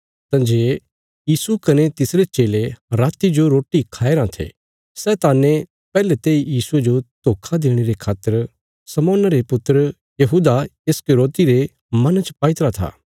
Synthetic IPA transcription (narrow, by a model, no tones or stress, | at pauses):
t̪ãːd͡ʒeː | jiːsukɐnet̪ɪsɾet͡ʃeːleɾaːt̪id͡ʒoɾoːʈikʰaːeɾãt̪ʰḛː | sɛt̪aːnẽ | pɛːlet̪eːijiːsued͡ʒot̪oːkʰad̪eːɽ̃eɾekʰaːt̪ːəɾ | sɐmɔːnɾepʊt̪ːəɾə | jɐɦuːd̪aeskeɾoːt̪iɾe | mɐnt͡ʃpaːɪt̪ɾat̪ʰa̰ː